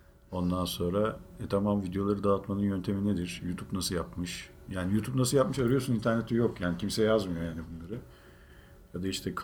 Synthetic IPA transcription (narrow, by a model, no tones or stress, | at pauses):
o̞nd̪anso̞nɾaɛt̪ʰamamvid̪ejo̞lˠaɾɯd̪aːt̪manɯnjø̞nt̪ʰe̞mined̪iɾ̥juːt̪ʰubnasɯjapmɯʃ | jaːnijuːt̪ʰupnasɯjapmɯʃaɾɯjo̞sunint̪ʰæɾnet̪ʰijokjaːnicʰimsɛjazmɯjojaːnibunlˠaɾɯ | jad̪aiʃt̪ʰɛkʰ